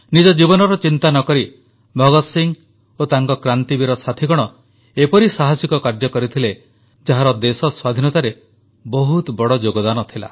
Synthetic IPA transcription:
nid͡ʒɔd͡ʒibɔnɔɾɔt͡ʃint̪anɔkɔɾi | bʱɔɡɔsiŋ | ot̪aŋkɔkɾant̪ibiɾɔsat̪ʰiɡɔɽ̃ɔ | epɔɾisaɦasikɔkaɾd͡ʒɔkɔɾit̪ʰile | d͡ʒaɦaɾɔd̪esɔswad̪ʱinɔt̪aɾe | bɔɦut̪bɔɽɔd͡ʒoɡɔd̪anɔt̪ʰila̰

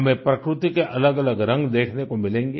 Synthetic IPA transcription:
ɦɐmẽpɾɐkɾʊt̪ikeʔɐləɡɐləɡɾɐ̃ŋɡd̪eːkʰnekomɪlẽːŋɡeː

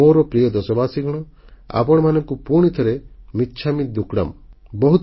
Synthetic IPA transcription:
oɾɔpɾijɔd̪ɔsɔbaːsiɡʱɔɽ̃ɔa̰pɔɽɔmanɔŋkupuɽ̃it̪ʰɔɾemitːt͡ʃʰamit̪̚d̪ukɽa̰mbɔɦut̪

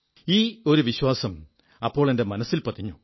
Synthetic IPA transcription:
iːo̞ɾuʋiɕwaːsɐm | ɐpːo̞ːɭe̞nde̞mɐnɐsːilpɐt̪ʰːiɲːu

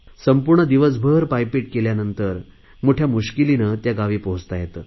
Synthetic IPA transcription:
səmpuɾɳəd̪iʋəs̬bʱəɾpajpiʈ̚keljanənt̪əɾ | moʈʰjamuɕkilinət̪jaɡaʋipoɦd͡zt̪ajet̪ː

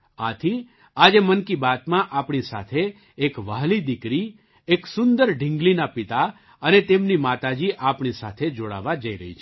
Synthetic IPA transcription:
at̪ʰi | ad͡ʒemənkibat̪mãʔapɳisa̰t̪ʰeː | kʋaɦlid̪ɪkɾi | eksʊnd̪əɾɖʱɪ̃ŋɡlinapɪt̪a | ənet̪emnimat̪ad͡ʒiʔapɳisat̪ʰed͡ʒoɽa̰ʋad͡ʒəiɾə̰ɦḭt͡ʃʰe

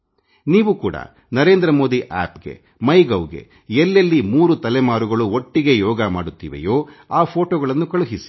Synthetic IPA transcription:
niːʋukuːɽɐ̰ | nɐɾe̞ːnd̪ɾɐmo̞ːd̪iʔa̰ːpɡe̞̰ | mɐjɡɐwɡe̞̰ | elːelːimuːɾut̪ɐlɛmaːɾuɡɐɭuoʈːiɡe̞jɔːɡɐma̰ːɽut̪ːḭːʋḛjoːaːpʰo̞ːʈoːɡɐɭɐnːukɐɭuɦisi̥

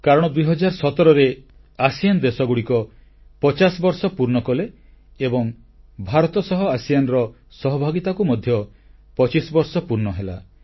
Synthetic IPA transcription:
kaɾɔɽ̃ɔd̪ujɦɔd͡ʒaɾsɔt̪ɔɾɔɾe | asijand̪esɔɡuɽikɔ | pɔt͡ʃasbɔɾsɔpuɾɳɔkɔleː | bɔŋ | bʱaɾɔt̪ɔsɔɦɔasijanɔɾɔ | sɔɦɔbʱaɡit̪akumɔd̪ʱjɔ | pɔt͡ʃisbɔɾsɔpuɾnɔɦela

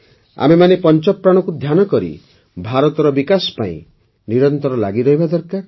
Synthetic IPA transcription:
a̰memanepɔnt͡ʃɔpːɾaɽ̃ɔkud̪ʱjanɔkɔɾḭ | bʱaɾɔt̪ɔɾɔbikasɔ̥pa̰ḭ̃ | niɾɔnt̪ɔɾɔla̰ɡiɾɔɦibad̪ɔɾkaɾ

